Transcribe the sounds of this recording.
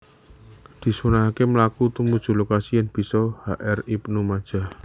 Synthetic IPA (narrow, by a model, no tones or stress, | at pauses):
d̪̥i̤swunaɦakeməlakut̪umud̥ʒ̥ṳlokasijɛnb̥i̤sɔhaʔɛripnumad̥ʒ̥a̤h